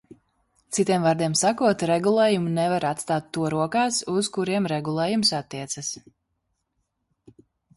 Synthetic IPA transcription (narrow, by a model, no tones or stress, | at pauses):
t̪sit̪iɛmvaːɾd̪iɛmsakuɔt̪ɾɛɡulˠeːjumunɛvaɾat̪st̪aːt̪ːuɔɾuɔkaːsuz̥kuɾiɛmɾɛɡulˠɛːjumsat̪ːiɛt̪sas